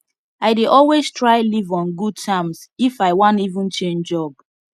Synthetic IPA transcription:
aɪdeʔɔlweztɹaɪlivɔ̃nɡud̚tʰãmsifaɪwɔ̃ntivũnt͡ʃẽnd͡ʒɔb̥̚

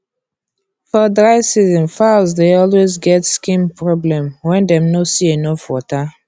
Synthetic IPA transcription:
fɔdɹaɪvsizɛ̃nfazdeɔlwezɡɛtskĩmpɹɔblɛ̃mwɛ̃ndɛ̃mnosienofwɔta

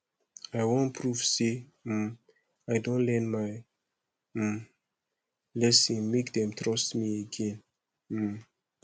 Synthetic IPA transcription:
ajwɔ̃npʰɹuv̥se | ajdõnlɛ̃nmaj̩ | lɛsĩmekd̪ɛ̃mt̪ɹɔsmiəɡɛ̃n̩

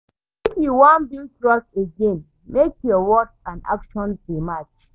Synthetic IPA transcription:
ifjuwãnbiltɹas̚eɡẽn | mekjɔwɔt͡ʃãna̰kʃɔ̃nsemat͡ʃ

